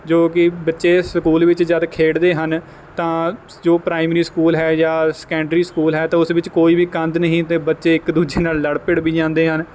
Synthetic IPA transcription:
d͡ʒoːk̬ɪbətːʃeːsəkuːlʋɪt͡ʃd͡ʒaːd̪akʰeːɽd̪eːɦən | t̪ãː | d͡ʒoːpɾaːɪmɾiːskuːlɦɛːjaːskɛ̃ːɳɖɾiːskuːlɦɛːt̪ãːʊsʋɪt͡ʃkoːiːbiːkə̃nd̪nəɦĩːt̪ẽːbətːʃeːɪkd̪uːd͡ʒeːnaːlːəɽpɪɽbiːd͡ʒãːnd̪eːɦən

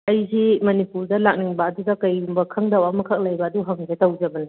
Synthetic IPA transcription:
ɐjzimɐnipuɾdɐlak̚niŋbɐːdudɐkɐjumbɐkʰɐŋdawamɐkʰɐk̚lɐjbɐːduɦɐŋzetɐwd͡ʒɐbɐnɐ

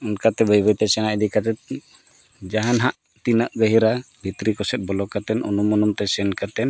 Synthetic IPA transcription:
unkat̪ɛbəjbəjt̪ɛsɛnaʔid̪ikat̪ɛt̪̚ | d͡ʒaɦanɦaʔ | t̪inaʔɡəɦiɾabʱit̪ɾikɔsɛt̪̚bɔlɔkat̪ɛnʔṵnumɔnumt̪ɛsɛnkaɾt̪ɛn

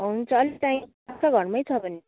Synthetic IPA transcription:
ɦunt͡sʰʌːlitaĩ | asʌɡʱʌɽmʌjt͡sʰʌbʱʌne

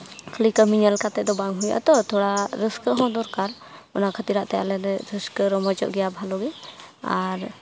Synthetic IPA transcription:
kʰlikəmiɲəlkat̪ɛd̪ɔbaŋɦuja̰ʔt̪ɔt̪ʰɔɽaɾəskəɦɔ̃d̪ɔɾkaɾ | ɔnakʰət̪iɾaʔt̪ɛja̰lɛɾɛɾəskəɾɔmɔt͡ʃɔ̰ʔɡɛjabʱalɔɡɛaɾ

